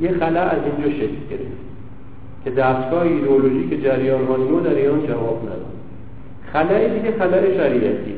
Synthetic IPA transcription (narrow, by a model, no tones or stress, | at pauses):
jexælææzind͡ʒɒːʃecʰlɟeɾḛft̪ | cʲʰe̞d̪æːst̪ɡɒːheiːd̪eoloʒiːkʰed͡ʒæɾjɒːnhɒːniɾod̪æɾiːɾɒːnd͡ʒævɒːbnæ̰d̪ɒ̰d̪ | xælæed̪iɟexælæʔeʃæɾiʔæ̰t̪ʰḭ